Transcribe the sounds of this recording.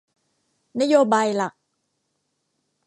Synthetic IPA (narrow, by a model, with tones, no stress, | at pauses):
na˦˥joː˧baː˧jla˨˩k̚